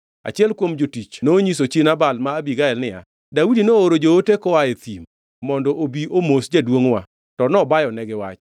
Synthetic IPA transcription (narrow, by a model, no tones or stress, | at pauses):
a̰t͡ʃɪɛlkwomd͡ʒotit͡ʃnoɲisot͡ʃenabalmaːbiɡaɛlnɪja̰ | daudinooɾod͡ʒootekɔaet̪imː | ɔndɔʔobiʔomosd͡ʒadwoŋwa | tɔnɔbajɔnɛɡɪwa̰t͡ʃ